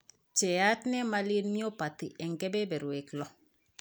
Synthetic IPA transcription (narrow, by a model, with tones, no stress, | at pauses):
t͡ʃɛ˨a˦tnɛ˦ma˦li˦nmi˦o˦pa˨t̪i˨ʔɛ˨ŋɡɛ˦bɛ˦bɛ˨ɾwe˨klɔ˨